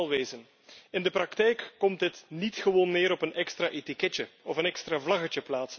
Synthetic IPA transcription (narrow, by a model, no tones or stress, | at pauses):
lˠʋeːzən | ɪndəprɑktɛjkːɔmt̚dɪtnitxəʋoːnːɪːɾɔpənɛkstraːʔetikɛtəɔfənɛkstraːvlɑɣət͡ʃəplaːts